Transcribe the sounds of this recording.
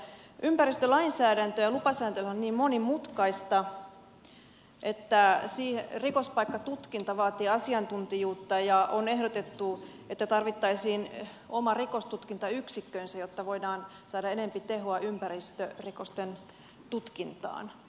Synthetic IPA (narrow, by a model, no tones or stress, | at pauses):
ʔympærist̪ølɑinsæːdænt̪øjɑlupɑsæːnt̪elhæonniːmmonimut̪kɑist̪ɑ | ʔet̪ːæsiːhrikospɑikːɑt̪ut̪kint̪ɑʋɑːt̪iːɑsiɑnt̪unt̪ijuːt̪ːɑjɑʔone̞ɦdot̪et̪ːu | et̪ːæt̪ɑrʋit̪ːɑisiːn | omɑrikost̪ut̪kint̪ɑyksikːøinsæjot̪ːɑʋoidɑːn | sɑːdɑenempit̪eɦoɑʔympærist̪ørikost̪en | t̪ut̪kint̪ɑ̰ːn